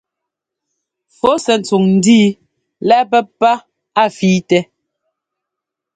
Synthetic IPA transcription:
fo˦sɛ˨n̩˨t͡su˨ŋn̩˨˦diː˦ | lɛ˦p̬ɛ˦pːa˦ | a˦˨fiː˦tɛ˦

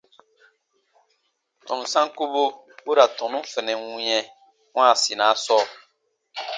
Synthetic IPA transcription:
tɔ̃˨nũ˨sã˦ŋ˦ku˦bo˦ | u˦ɾa˨tɔ̃˨nũ˦fɛ˨nɛ̃˨ŋũ˦ɲɛ̃˦ | wã˦˨si˨nã˨˦sɔː˦˨

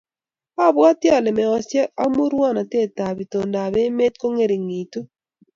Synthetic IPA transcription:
a˦˨bwa˦tjɔ˦˨lɛ˨mɛ˨ɔ˨sjɛ˦a˦mu˦ɾwa˦na˨te˦˨ta˨bi˨to˨nda˨be˦me˦t̚ko˦ŋe˦ɾi˨ŋi˨tu˦

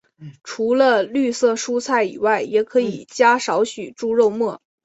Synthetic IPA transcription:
ʈ͡ʂʰu˧˥lə˧ly˥˧sɤ˥˧˩ʂu˥t͡sʰa˥˩ɪḭ˨˩wa˥˩ɪjɛ˧˩kʰɤ˧˥i˨˩t͡ɕja˥ʂɑ˧˥ʊɕy˨˩ʈ͡ʂu˥˧ɻo˥˧ʊmwɔ˥˩

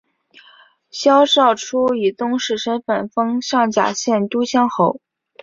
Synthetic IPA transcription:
ɕjɑ˥ʊʂɑ˥˩ʊʈ͡ʂʰu˥i˨˩t̪ʊ˥ŋʂɻ̩˥˩ʂə˥nfə˨˩nfɤ˥ŋʂɑ˥˩ŋt͡ɕja̰˨˩ɕjɛ˥˩nt̪u˥ɕjɑ˥ŋxo˧˥ʊ

